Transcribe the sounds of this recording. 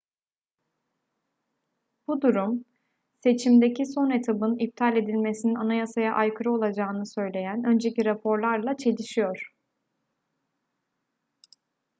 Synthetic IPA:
b̥ud̪uɾum | se̞t͡ʃʰimd̪eciso̞ne̞t̪ʰabɯnip̚t̪ʰalʲe̞d̪ilʲme̞sininanajasajaʔajkʰɯɾɯo̞lˠad͡ʒaːɯnɯsø̞jlʲe̞jænø̞nd͡ʒe̞ciɾapʰo̞ɾlˠaɾlˠat͡ʃʰe̞lʲiʃijo̞ɾ̥

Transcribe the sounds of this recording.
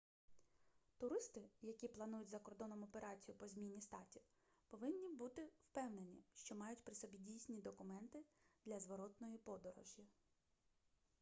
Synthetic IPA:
t̪ʊɾɪst̪ɪjɐkʲiplˠɐnujʊtʲzɐkɔrd̪ɔnɔmɔpeɾɑt͡sʲijʊpɔzʲmʲinʲːist̪ɑtʲiw | pɔʋɪnʲːibut̪ɪwpɛwne̞nʲiʃt͡ʃɔmɑjʊtʲpɾɪsɔbʲidʲijsʲnʲid̪ɔkʊmɛnt̪ɪd̪̥lʲɐzʋɔɾɔt̪nɔjipɔd̪ɔɾɔ̰ʒʲjɐ

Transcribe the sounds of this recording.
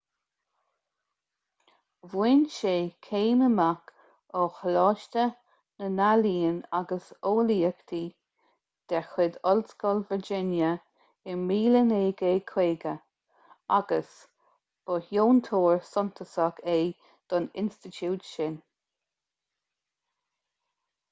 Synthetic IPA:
vwɪnʃeːkʰeːnəmak | ɔxlɑːʃt̪ə | nənaliːənaɡəsoːliːəkt̪ʰiː | d̪̥ɛxɪd̪ɔlskɔlvəɹd͡ʒɪnjə | ɪmiːləneːɡeːkʰweːɡə | aɡəs | b̥ɔhjoːnt̪ʰoːɹsɔnt̪ʰəsakʰeː | d̪̥ɔnɪ̰nst̪ɪtʰuːtʃɪn

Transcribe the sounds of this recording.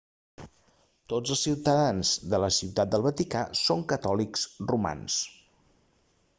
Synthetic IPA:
t̪od͡zəlˠsiwt̪əðanzðələsiwt̪at̪̚d̪əlˠβət̪ikasoŋkət̪ɔliksruma̰ns

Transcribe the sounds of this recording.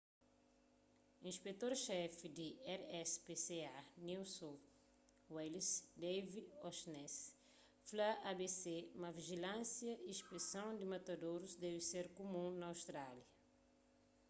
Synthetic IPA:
ĩspet̪oɾʃɛfid̪iɛɾɛspeseaniwsõ | welsd̪ejviɔsnɛs | flaabeseumɐviʒilãsjɐʔiʃpesɐ̃w̃d̪imat̪ad̪oɾuzd̪ɛviseɾkomũnɐːwst̪ɾaljɐ

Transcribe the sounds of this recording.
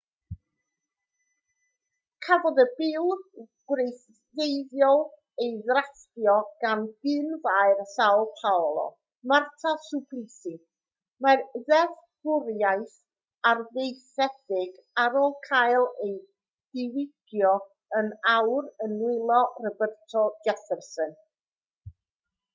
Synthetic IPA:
kʰavɔðəbɪw | ɡ̥ɾejθ | ðejðjɔlˠ | ejðrastjɔɡ̥anɡɪnvaɨrsawlˠpʰawlˠɔ̰ | martʰasupʰlɪsi | marðɛθb̥ʊɾjajθ | arðejθɛdɪɡ | aɾolˠkʰajlˠej | d̥ɪwɪɡ̥jɔ | ənawɾənwɪlˠɔrəbərtʰɔd͡ʒɛfɛrsən

